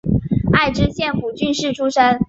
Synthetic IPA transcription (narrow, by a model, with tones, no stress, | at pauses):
a˥˩ɪʈ͡ʂɻ̩˥ɕjɛ˥˩nku˨˩t͡ɕy˥˧nʂɻ̩˥˩ʈ͡ʂʰu˥ʂa˥n